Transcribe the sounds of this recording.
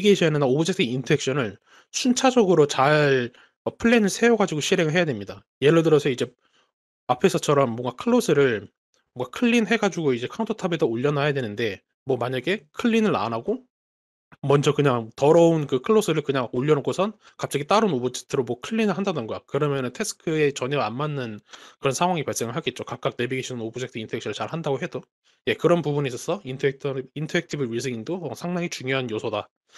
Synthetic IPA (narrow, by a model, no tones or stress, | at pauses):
iɡeɕʰianɯnaobʌd͡ʑitʰɯintʰoekɕ͈ʌnɯɭ | sʰunt͡ɕʰad͡ʑʌɡɯɾot͡ɕaɭ | ʌpʰɯɭːenɯɭsʰe̞joɡad͡ʑiɡoɕʰiɾe̞ŋɯɭɦejadwe̞mɲida | je̞ɾɯɭdɯɾʌsʰʌid͡ʑe̞ | apʰe̞sʰʌt͡ɕʰʌɾʌmːʌŋɡakʰɯɭːosʰɯɾɯɭ | moŋɡakʰɯɭːinɦe̞ɡad͡ʑuɡoid͡ʑe̞kʰauntʰʌtʰʌbedʌoʎːʌnɦajadwe̞nɯnde̞ | mwʌmaɲaɡe̞kʰɯɭːinɯɭa̰naɡo | mʌnd͡ʑʌkɯɲaŋtʌɾʌunkɯkʰɯɭːosʰɯɾɯɭkɯɲaŋoʎːʌnokʰosʰʌn | kap̚t͡ɕ͈aɡit͈aɾɯnobod͡ʑʰe̥k̚tʰɯɾomwʌkʰɯɭːinɯɭɦandadonɡʌjakɯɾʌmjʌnɯntʰe̞s͈ʰɯ̥kʰɯe̞t͡ɕʌɲʌanmanːɯnkɯɾʌnsʰaŋwaŋipaɭs͈e̞ŋɯɭɦaɡet̚t͡ɕ͈okak̚k͈ak̚ne̞biɡiɕʰinɯnobud͡ʑʰektʰɯintʰʌekɕʰʌɾɯɭt͡ɕaɭhandaɡoɦe̞d̥o | je̞kɯɾʌnpubunis͈ʌsʰʌintʰʌek̚tʰintʰʌek̚tʰibɯɾisʰiiŋdoʌsʰaŋdaŋit͡ɕuŋjoɦanjosʰʌda